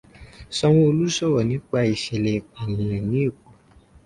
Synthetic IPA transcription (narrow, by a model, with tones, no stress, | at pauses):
sɔ˧w̃ɔ̃˦o˧lu˦sɔ˦˨wɔ˨nĩ˨˦k͡pa˧i˨ʃɛ˨le˨a˨mũ˨ɛ˨nĩ˨˦e˦˨k͡pu˨